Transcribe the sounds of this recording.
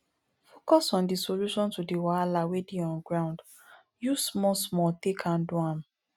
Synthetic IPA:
fokɔsɔ̃ndisoluʃɔ̃ntudiwaalawedeɔ̃nɡɹãʊ̃nd | jusmɔsmɔtẽkʰãnduãm

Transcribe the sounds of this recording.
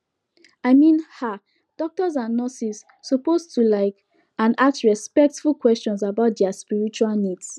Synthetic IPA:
aɪmĩnha | d̥ɔk̚tɔzãnːɔsis | sɔpostulaɪk | ãnaktɹɛspɛk̚tfulkwɛst͡ʃɔ̃nsabaʊt̚dɛaspiɹit͡ʃualnids

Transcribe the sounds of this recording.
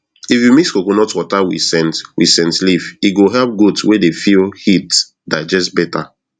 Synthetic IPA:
ifjumiskoɡonɔtwɔtawḭsɛ̃ntwḭsɛ̃ntlifiɡoɦɛlp̚ɡotswedefilhit | dad͡ʒɛstbɛta

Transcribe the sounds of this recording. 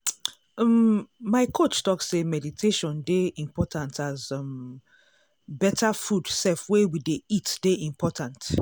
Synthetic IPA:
mmaɪkʰot͡ʃtɔksemɛditʰeʃɔ̃ndeĩmpʰɔtʰãntʰazm | bɛtʰafudsɛfwewideitd̥eʔĩmpʰɔtʰãnt

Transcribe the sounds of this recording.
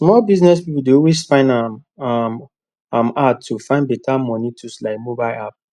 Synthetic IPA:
smɔlbiznɛspipudeɔlwesfãɪ̃nda | ãmaufãɪ̃ndbɛtʰamɔ̃nitʰuslaɪk̚mobaɪlap̚

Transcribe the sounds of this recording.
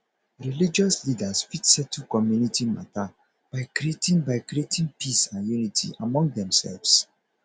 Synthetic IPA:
ɹilid͡ʒɔslidasfitsɛtʰukɔmjunitima̰ta | b̥aɪkɾietĩŋbaɪkɾietĩŋpʰisãnjunitʰḭʔamɔ̃ŋɡ̚dɛ̃msɛ̰lvs

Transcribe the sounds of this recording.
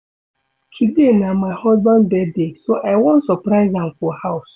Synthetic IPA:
kʰidenamaɪhɔzbãndbɛddesoʔaɪwɔ̃nsɔpɾaɪzãmfɔhaʊs

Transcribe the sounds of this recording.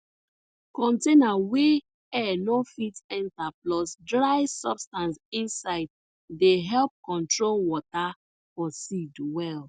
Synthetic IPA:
kɔ̃ntenawe | ɛnofitɛ̃ntaplɔsdɹaɪsɔbstãnsĩnsaɪd̚ | deɦɛlp̚kɔ̃ntɹolwɔta | fɔsidwɛl

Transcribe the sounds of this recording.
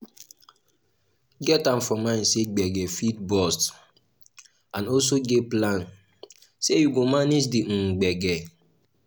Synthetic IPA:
ɡɛtãmfɔmãɪ̃nseɡ͡bɛɡɛfidbɔst | ãnɔls̬oɡeplãn | sejuɡomaned͡ʒdiŋ͡m̩ɡ͡bɛɡɛ

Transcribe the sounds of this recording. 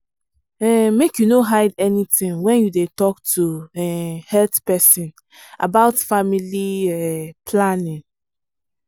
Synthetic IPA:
ɛmekjunoɦaɪdɛnitĩŋwɛ̃njudetɔktʰuɛhɛltpɛsĩn | a̰baʊtfamiliɛpʰlanĩŋ

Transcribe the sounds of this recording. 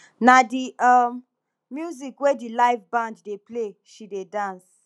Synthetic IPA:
nadiʔamː | juzikwedilaɪfbãnddepleʃidedãns

